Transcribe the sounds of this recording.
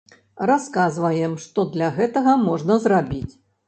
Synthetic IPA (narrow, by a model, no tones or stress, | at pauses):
raskazvɐjɛmʂt̪ɔd̪lʲaɣɛt̪ɐɣɐmɔʐnɐzrabʲit͡sʲ